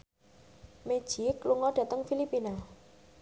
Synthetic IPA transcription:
me̥ʒ̥ikluŋɔɖ̥ä̤t̪əŋfilipina

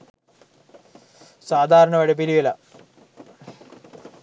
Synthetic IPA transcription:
saːd̪ʱaːɾɐɳɐʋɐɽɐpilijɐlɐ

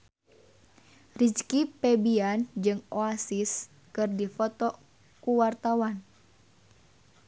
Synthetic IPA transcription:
rit͡ʃkipɛbiand͡ʒɨŋoasis | kɨrdifɔt̪ɔ | kuwart̪awan

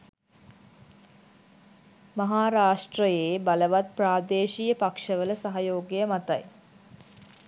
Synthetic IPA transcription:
maɦaːɾaːʂʈrəjeːbaləʋat̪̚praːd̪eːʃijəpakʂəʋələsaɦajoːɡejəmat̪a̰j

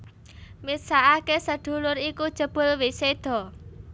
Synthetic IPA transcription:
misaʔakesəɖ̪̥ṳlʊɾikud̥ʒ̥ə̤b̥ʊ̤lwised̪̥ɔ̤

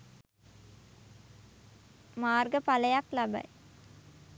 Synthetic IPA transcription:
maːrɡəpaləjaklabə̰j

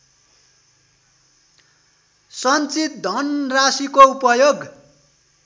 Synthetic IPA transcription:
sʌnt͡sit̪̚d̪ʱʌnrasikoupʌjoɡ

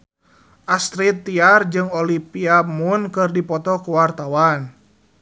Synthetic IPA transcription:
ʔast̪ɾit̪ːiard͡ʒɨŋɔlipiamunkɨrdipɔt̪ɔkuwart̪awan

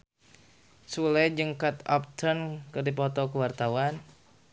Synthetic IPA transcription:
sulɛd͡ʒɨŋkat̪ɔ̰p̚t̪ʰərnkɨrdipɔt̪ɔkəwart̪awan

